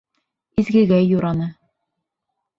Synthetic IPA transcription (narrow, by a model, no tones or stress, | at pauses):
izɡɘ̆ɡæjːuɾɑnɤ